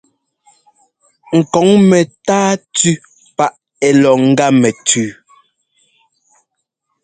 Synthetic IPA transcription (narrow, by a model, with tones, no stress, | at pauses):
ŋ̩˨kɔ˨˦ŋmɛ˨taː˦tʉ˦ | pa˦ʔ | ɛ˨lɔ˨ŋ̩˦ɡa˦mɛ˨tʰʉː˨˦